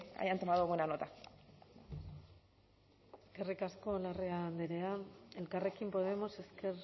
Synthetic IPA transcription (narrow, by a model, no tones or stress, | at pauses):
a̰jant̪omaðuɣuenanot̪a | esɡerikasko̞lareand̪iɾe̞ae̞lkare̞kimpo̞ðe̞mo̞se̞ske̞ɾ